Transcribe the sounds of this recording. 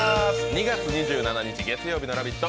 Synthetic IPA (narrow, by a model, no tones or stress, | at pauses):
sɯɲiɡat͡sʰɯɲid͡ʑɯɯnanaɲid͡ʑiɡe̞t͡sʰɯjobinaɾabit̪͈ʌ